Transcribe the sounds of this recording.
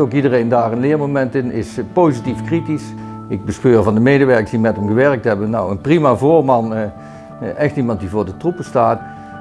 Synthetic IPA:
owkidərejndaːrənlɪːɹmowmɛntɪnɪspowzitifkritis | ɪɡ̚bəspøːrvɑndəmejdəʋɛɹkəsdimɛtɦəmɣəʋɛɹk̚tɦɛbənnawənprimavʊːɹmɑn | ʔɛxtimɑnt̚divʊːɹdətrup̚bəstaːt

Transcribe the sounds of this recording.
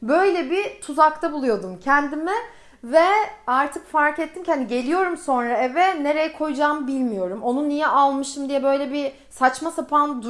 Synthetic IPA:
bø̞jlʲɛbit̪ʰuzak̚t̪ʰabulˠujo̞d̪umcʰɛnd̪imɛ | vɛaɾt̪ʰɯkfaɾket̪ʰːimcand̪iɟe̞lʲijo̞ɾumso̞nɾaɛvɛne̞ɾe̞jɛkʰo̞jud͡ʒaːmbilʲmijo̞ɾumo̞nunːijɛʔalˠmɯʃt̪ɯmd̪ijɛbø̞jlʲɛbi | sat͡ʃmasapʰand̪

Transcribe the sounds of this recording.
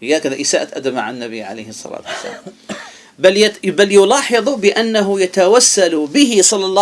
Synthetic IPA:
hɪjaːkaðaʔɪsaːʔat̪ʔad̪amaʕanːabɪ̰ʕa̰lḛjhɨsˤːɑ̰la̰ːt̪wasːa̰lam | blbaljʊlɑːħɑðˤbɪʔanːaɦʊjat̪awasːalbɪɦɪsˤɑlːɑlˤːɑ

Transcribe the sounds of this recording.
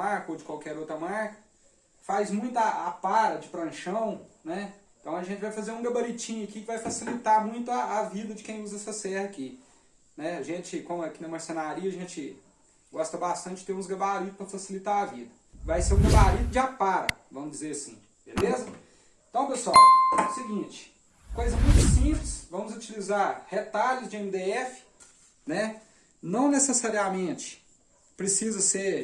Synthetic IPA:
aɾkɐowd͡ʒɪkwawkɛɾowt̪ɾɐmaɾkɐ̥ | fajzmũj̃t̪ʊaʔapaɾɐd͡ʒɪpɾɐ̃ʃɐ̃w̃nɛẽt̪ɐ̃w̃ɐʒẽt͡ʃɪvajfazeɾũɡɐbɐɾit͡ʃĩɲʊɐkikɪvajfasilit̪aɾmũj̃t̪ʊɐːvid̪ɐd͡ʒɪkẽj̃uzɐsɐsɛhɐki | nɛaʒẽt͡ʃɪkõmʊɐkinɐmɐɾsẽnaɾiɐʒẽt͡ʃɪ | ɡɔst̪ɐbast̪ɐ̃t͡ʃɪd͡ʒɪt̪eɾũzɡɐbaɾit̪ʊ̥spɾɐfasilit̪aɾavid̪ɐ | vajseɾũɡebaɾid̪ʊd͡ʒɪapaɾɐ̰vɐ̃mʊzd͡ʒɪzeɾasĩ | belezɐ | ẽt̪ɐ̃w̃pesʊawʊsiɡĩt͡ʃɪ̥ | kojzɐmũj̃t̪ʊsĩplɪsvɐ̃mʊzut͡ʃilizaɾhet̪aʎʊzd͡ʒɪẽmid̪eɛfɪ̥ | nɛ | nɐ̃w̃nesesaɾiamẽt͡ʃɪ̥ | pɾesizɐseɾ

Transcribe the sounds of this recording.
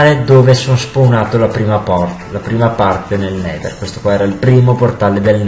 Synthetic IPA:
ɾed̪oːvesonospunaːt̪olapɾiːmapɔr | lapɾiːmapart̪enelnɛːd̪ḛrkwest̪o̥kwaɛːɾailpɾiːmoport̪aled̪eln

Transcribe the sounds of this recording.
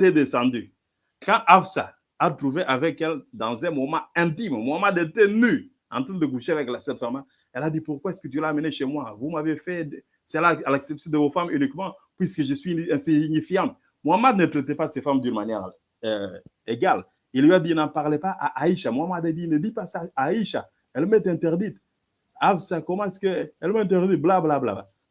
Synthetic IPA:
ɛd̪esɑ̃d̪y | kɑ̃ʔafsa̰ | at̪ʁuveʔavɛkɛld̪ɑ̃zɛ̃mɔmãɛ̃t̪immwamad̪et̪ɛny | ɑ̰̃nt̪ʁɛ̃d̪əkuʃeavɛklasɛ̃t̪fama | ɛlad̪ipuʁkwaɛskət̪ylaːməneʃemwavumavefɛd | sɛlaalaksɛpsjɔ̃d̪əvofamynikmɑ̃pɥiskəʒəsɥiɛ̃siɲifijɑ̃t̪̚ | mwamad̪nət̪ʁɛt̪ɛpasɛfamd̪ynmanjɛʁ | eɡal | ilɥiad̪inãpaʁlepaʔaʔaiʃamwamad̪ad̪inəd̪ipasaːiʃa | ɛlmɛt̪ɛ̃t̪ɛʁd̪it̪ | avsakɔmãɛskəɛlmɛ̃t̪ɛʁd̪it̪̚blablabla̰bla̰

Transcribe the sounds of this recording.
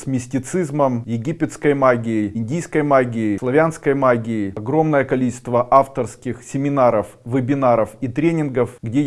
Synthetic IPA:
smʲɪsʲtʲɪt̪sɨzməmjɪɡʲipʲɪt̪skəjmaɡʲɪɪɪnʲdʲijskəjmaɡʲɪɪslˠɐvʲanskəjmaɡʲɪɪɐɡɾo̞mnəjəkɐlʲit͡ɕɪ̥st̪vəʔaft̪ərskʲɪxsʲɪmʲɪnaɾəfvɨbʲɪnaɾəfit̪ɾʲenʲɪnɡəfɡdʲe

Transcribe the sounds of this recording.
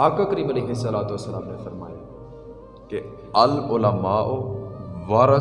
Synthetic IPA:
aːkaːkəɾiːmɐlejɦɪsːɐlaːt̪oəsːəlaːmnefɐɾma̰ːjeː | ke | ɐlʊlamaːʔoʋaːɾə

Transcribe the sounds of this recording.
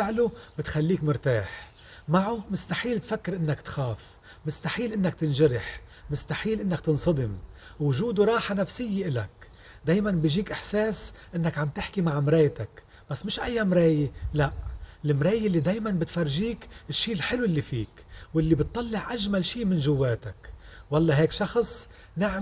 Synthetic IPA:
ɪʕlubɪt̪xalːiːkmʊɾt̪aːħ | maʕumɪst̪aħiːlt̪fakːɪɾʔɪnːakt̪xaːf | mɪst̪aħiːlʔɪnːak̚t̪ɪnʒaɾɪħ | mʊst̪aħiːlʔɪnːakt̪ɨnsˤɑd̪ˤɪmwʊʒuːd̪uɾˤɑːħanafsɪjːeʔɪla̰k | d̪aːjmanbiːʒiːkʔɪħseːsʔɪnːakʕamt̪ɪħkimaʕmɾeːjt̪ak | b̥asːmɪʃʔajːamɾeːjelaʔlɪmɾeːjɪʔlːid̪eːjmanbɪt̪faɾˤʒiːkɪʃːiːɪlħɪluɪlːifiːkwɪlːibɪt̪ˤːɑlːɪʕʔaʒmalʃiːmɪnʒʊwːeːt̪akwɑlˤːɑɦeːkʃɑxsˤ | naʕ

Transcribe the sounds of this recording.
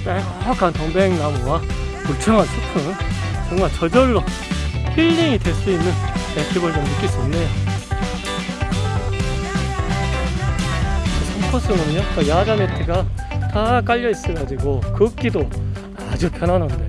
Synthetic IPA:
t͈akakʰantʌŋbeŋnamuwa | ut͡ɕʰʌŋant͡ɕʰukʰɯnboŋɡat͡ɕʌd͡ʑʌɭːo | pʰiʎːiŋidwe̞ɭs͈uinːɯnekibʌɭd͡ʑʌŋnɯk͈is͈ʌnːejo | e | kɯsʰʌpʰʌs͈ɯmʌniɲʌk͈ʌjad͡ʑanetʰeɡatak͈aʎːʌis͈ɯɭɡad͡ʑiɡokɯk͈ido | ad͡ʑupʰjʌnanɦande

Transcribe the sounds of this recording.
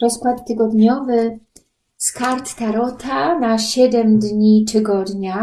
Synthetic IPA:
ɾɔskwat̪t̪ɘɡɔd̪ɲɔvɘ | skaɾt̪ːaɾɔt̪ʰanaɕɛd̪ɛmd̪ɲit̪ɘɡɔd̪ɲa

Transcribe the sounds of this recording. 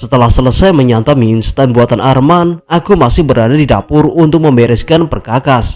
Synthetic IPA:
sət̪əlahsələsajməɲat̪aminst̪anbuat̪anʔarmanakumasɪhbəɾadadidapʊrunt̪ʊk̚məmbɛɾɛskanpərkakas

